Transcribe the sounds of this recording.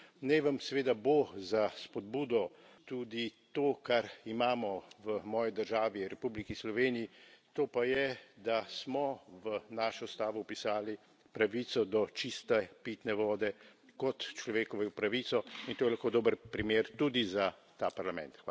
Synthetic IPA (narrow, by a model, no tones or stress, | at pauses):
nɛʋɐmsɛʋeːd̪abozaspɔd̪̚buːd̪ɔ | t̪uːd̪it̪oːkaɾimaːmɔʋəmɔːjid̪əɾʒaːʋiɾɛpublikislɔʋeːnijit̪oːpajɛd̪asmɔʋənaːʃɔst̪aːʋɔwpisaːli | pɾaʋiːt̪sɔd̪ɔt͡ʃist̪ɛpiːt̪nɛʋɔːd̪ɛkɔt̪t͡ʃlɔʋeːkɔʋɛwpɾaʋiːt̪sɔint̪oːjɛlaxkoːd̪oːbəɾpɾimeːɾt̪ud̪izat̪apaɾlamɛ̰̃nt̪xa